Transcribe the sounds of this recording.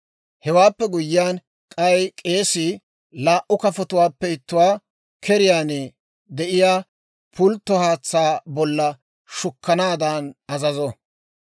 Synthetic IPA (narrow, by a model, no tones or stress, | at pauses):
hɛwaːpːɛɡʊjːɪjaːn | kʼɐjkʼe̞ːsɪ | laːʔʊkɐfɔt̪ʊwaːpːɛɪt̪ːʊwaː | kʰɛɾɪjaːnɛ | d̪ɛʔɪjaː | pʰʊlt̪ːɔhaːt͡sːaːbɔlːɐ | ʃʊkːɐnaːd̪ɐnɐzɐzɔ